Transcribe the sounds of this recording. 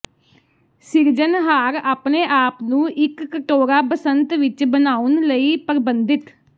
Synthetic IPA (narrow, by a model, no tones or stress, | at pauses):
sɪɾd͡ʒənɦaːɾaːpneːʔaːpnũːʔɪkːəʈoːɾaːpəsənt̪ʋɪt͡ʃbənaːʊnləiːpəɾɪbənd̪ɪt̪